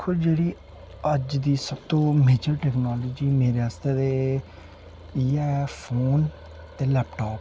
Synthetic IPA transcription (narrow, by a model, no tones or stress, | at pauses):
kʰːʊd͡ʒeːɽiː | əd͡ʒd̪iːsəbt̪õːmeːd͡ʒəɾʈɛːknɔːloːd͡ʒiːmeːɾeːaːst̪eːt̪e | iɛɛfʰoːn | t̪eːlɛːpʈɔːp